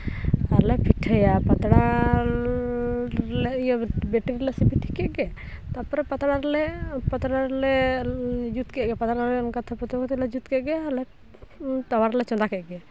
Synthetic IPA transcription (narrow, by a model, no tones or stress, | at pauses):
aɾlɛpʰiʈʰəjapat̪ɽa | lɛijbɛʈɾilɛsɛbiʈʰːi̥kɛʔɡɛ | t̪apɔɾɛpat̪ɽaɾlɛpat̪ɽaɾlɛ | d͡ʒut̪kɛʔɡɛpat̪ɽaɾlɛɔnkat̪ʰapɔt̪ɔkɔt̪ilɛd͡ʒut̪kɛʔɡɛalɛ | t̪awaɾlɛt͡ʃɔnd̪akɛʔɡɛ